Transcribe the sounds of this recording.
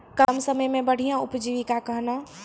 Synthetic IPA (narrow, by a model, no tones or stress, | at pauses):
kəmsəməjmẽbəɽ̤ijãʊpd͡ʒiʋikakəɦna